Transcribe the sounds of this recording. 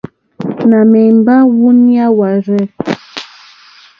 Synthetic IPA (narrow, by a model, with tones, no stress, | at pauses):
na˨mɛ˨mba˦wu˦ni˦a˦wa˨ɾɛ˦˨